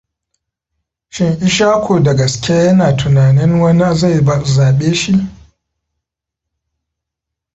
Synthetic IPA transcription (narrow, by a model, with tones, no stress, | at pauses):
ʃɪ˦ŋʔɪ˦ʃaː˦kʷoː˨dɐ˨ɡɐ˨skʲaː˦jɐ˦naː˨tʰʊ˨naː˨nɪ˦ŋwɐ˦n˦za˦˨jba˨zaː˨ɓeː˦ʃi˦ʔ